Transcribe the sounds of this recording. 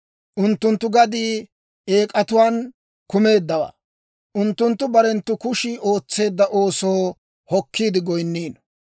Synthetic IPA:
ʔʊnt̪ːʊnt̪ːʊɡɐd̪iː | e̞ːkʼɐt̪ʊwaːn | kʊme̞ːd̪ːɐwa̰ | ʔʊnt̪ːʊnt̪ːʊbɐɾɛnt̪ːʊkʊʃiːʔo̞ːt͡sːe̞ːd̪ːɐʔo̞ːsoː | hɔkʰːiːd̪ɪɡɔjnːiːn

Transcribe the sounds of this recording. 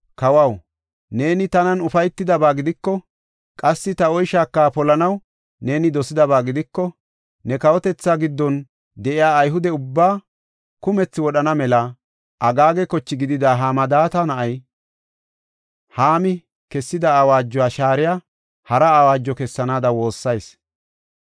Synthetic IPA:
kɐwɐw | ne̞ːnɪt̪ɐnɐnʊfɐjt̪ːɪd̪ɐbaːɡɪd̪ɪkːɔ | kʼɐsːɪt̪ɐɔjʃaːkːaːpɔlɐnɐw | ne̞ːnɪd̪ɔsɪd̪ɐβaːɡɪd̪ɪkːɔ | nɛkɐwɔt̪ɛt͡sːaːɡɪd̪ːɔn | d̪ɛʔɪjaːjɦʊd̪ɛʊbːaː | kʊmɛt͡sːɪwɔɗɐnɐmɛlɐ | ʔɐɡaːɡɛkɔt͡ʃːɪɡɪd̪ɪd̪aːɦaːmɐd̪aːt̪ɐnɐʔɐj | haːmɪ | kɛsːɪd̪ɐːwaːd͡ʒːɔaːʃaːɾɪjaː | hɐɾɐːwaːd͡ʒːɔkɛsːɐnaːd̪ɐwo̞ːsːɐjs

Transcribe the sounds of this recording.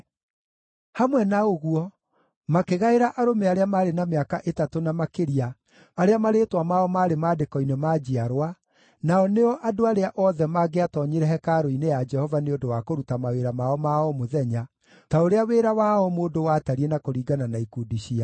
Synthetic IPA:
hamwɛnaoɣuɔ | makeɣaeɾaʔaɾomeaɾeamaɾenameakaʔetatonamakeɾiaː | ɾeamaɾeːtwamaɔmaːɾemadekɔinemad͡ʒiaɾwa | naɔneɔʔadoaɾeaʔɔðɛmaɡeatɔɲeɾɛɦɛkaɾoinejad͡ʒɛhɔvaneodowakoɾutamaweɾamaɔmaɔmoðɛɲa | taoɾeaweːɾawaɔmoːdowaːtaɾiɛnakoɾiːɡananaikudiɕia

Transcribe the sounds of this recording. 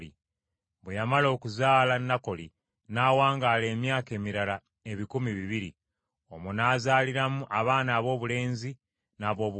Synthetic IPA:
ḭ | βwejamalo̞ːkuzaːlanːako̞li | naːwaːŋɡaːle̞ːmjaːke̞ːmiɾala | e̞βikumiβiβiɾḭ | o̞munaːzaːliɾamuʔaβaːnaːβo̞ːβule̞ːnzi | naːβo̞ːβu

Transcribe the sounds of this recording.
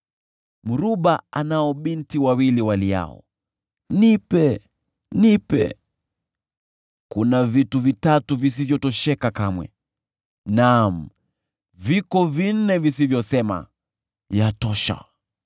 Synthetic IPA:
muɾuɓaanaɔɓintiwawiliwalija̰ɔ̰ | nipɛ | nipɛ̰ | kunavituvitatuvis̬ivjɔtɔʃɛkakamwɛ̰ | nam̩ | vikɔvin̩nɛvisivjɔsɛma̰ | jatɔʃa̰

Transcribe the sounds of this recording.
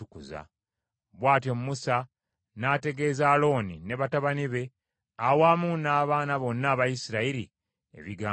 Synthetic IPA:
ukuza̰ | βwaːtjomumusa | naːte̞ɡe̞ːzaːlo̞ːnine̞βataβaniβe̞ | awaːmuːnaːβaːnaβo̞nːaːβajisiɾaiɾḭ | ḛβiɡaː

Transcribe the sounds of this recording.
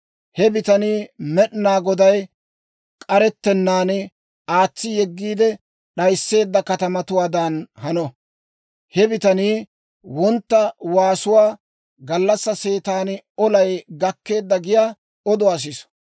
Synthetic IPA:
hɛbɪt̪ɐniːmɛɗnaːɡɔd̪ɐj | kʼɐɾɛt̪ːɛnːaːn | aːt͡sːɪjɛɡːiːd̪ɛ | ɗɐjsːe̞ːd̪ːɐkɐt̪ɐmɐt̪ʊwaːd̪ɐnhɐnɔ | hɛbɪt̪ɐniː | wɔnt̪ːɐwaːsʊwaː | ɡɐlːɐsːɐse̞ːt̪aːnɔlɐjɡɐkːe̞ːd̪ːɐɡɪjaː | ɔd̪ɔɐs̬ɪs

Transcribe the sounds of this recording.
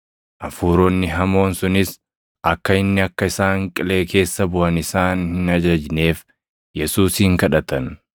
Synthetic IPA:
ʔɐfuːɾɔnːɪɦɐmo̞ːnsʊnɪs | ʔɐkːɐɪnːɪɐkːɐɪsaːŋkʼɪle̞ːkʰe̞ːsːɐbʊʔɐnɪsaːnhɪnɐd͡ʒɐd͡ʒne̞ːf | jɛsuːsiːŋkɐᶑɐt̪ɐn

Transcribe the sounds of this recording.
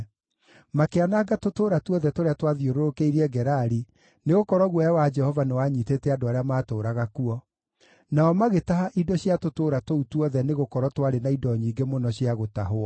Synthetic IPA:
makeanaːɡatotoːɾatwɔðɛtoɾeatwaðioɾoɾokeiɾiɛɡɛɾaɾi | neɣokɔɾɔɣwɔjawad͡ʒɛhɔvanewaɲiːteːtɛadoaɾeamaːtoːɾaɣakuɔ | naɔmaɣetaɦaʔidɔɕjatotoːɾatoutwɔðɛneɣokɔɾɔtwaɾenaidɔɲiːŋɡemonɔɕjiaɣota̰ɦoɔ

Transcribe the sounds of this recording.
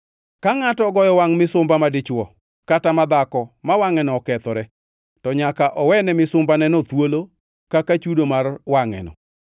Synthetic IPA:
kaŋatɔɡɔjɔwaŋmɪsʊmbamadɪt͡ʃwɔ | katamad̪akɔmawaŋɛnɔːkɛt̪ɔɾɛ | tɔɲakaʔɔwɛnɛmɪsʊmbanɛnɔt̪wolo | kakat͡ʃudomarwaŋɛ̰nɔ̰

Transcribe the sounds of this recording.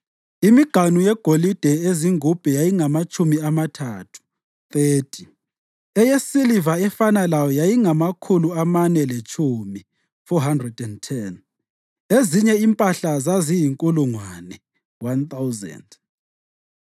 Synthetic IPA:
imiɡ̥ʱanujɛɡ̥ʱolid̥ʱɛeziŋub̥ʱɛjajiŋamat͡ʃʼumiamatʰatʰu̥ | θeːtʰi̥ | ɛjesilivaɛfanalajɔjajiŋamakʰuluamanɛlet͡ʃʰʼumi | fɔɦandrɛdɛntʰɛn | eziɲɛimpʼaɬazazijiŋkʼuluŋwanɛ | want̪awzɛ̰nd

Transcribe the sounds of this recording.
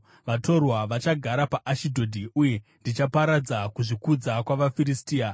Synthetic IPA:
ʋato̞rwaʋat͡ʃaɡʱaɾapaʔaʃidʱo̞dʱiuje̞ndit͡ʃapaɾad͡zakuʐikud͡zakwaʋafiɾistiːa

